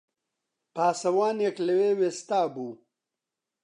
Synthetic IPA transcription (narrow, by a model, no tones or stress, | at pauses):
paːsɐwaːnekleweːwest̪aːbuː